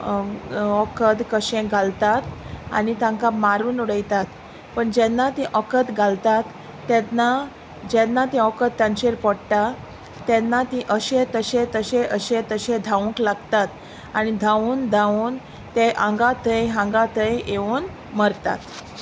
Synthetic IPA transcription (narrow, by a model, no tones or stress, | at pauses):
ɔkəd̪kəɕẽɡʱalt̪at̪a̰nit̪ãŋkamaɾuːnuɽəjt̪at̪ | pəɳd͡ʑɛnːat̪ĩʔɔkət̪ɡʱalt̪at̪ː | ɛt̪na | d͡ʑɛnːat̪ĩɔkət̪̚t̪ːãɲt͡ɕeɾpɔɽʈ̪a | t̪ɛnːat̪ĩʔəɕẽt̪əɕẽt̪əɕẽʔəɕẽt̪əɕẽd̪ʱaũklaɡt̪at̪ | añid̪ʱãuːnd̪ʱauːn | t̪eʔãŋɡat̪ʰəjɦãŋɡat̪ʰəjeuːn | məɾt̪a̰t̪